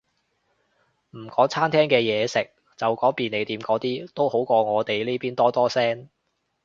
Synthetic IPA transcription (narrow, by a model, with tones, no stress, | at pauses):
m̩˨˩kɔː˨˥ŋt͡sʰaː˥nt̪ʰɛː˥ŋkɛː˧jɛː˨˧sɪ˨k̚ | t͡sɐ˨wkɔː˨˥ŋpiː˨˧ne˨˧jt̪iː˨˧˥mkɔː˨˥t̪iː˥t̪o˥who˨˥wkɔː˧ŋɔː˨˧t̪e˨˩jliː˥piː˥nt̪ɔː˥t̪ɔː˥sɛː˥ŋ